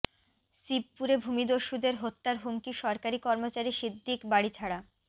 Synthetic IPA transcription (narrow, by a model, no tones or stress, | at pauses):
sib̚puɾebʱumid̪oɾʃud̪eɾɦot̪ːaɾɦumkiʃɔɾkaɾikɔɾmot͡ɕaɾiʃid̪ʱːikbaɽit͡ɕʰaɽa